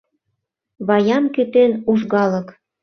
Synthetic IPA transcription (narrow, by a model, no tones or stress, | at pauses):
βɑjɑmkyt̪enuʒɣɑlək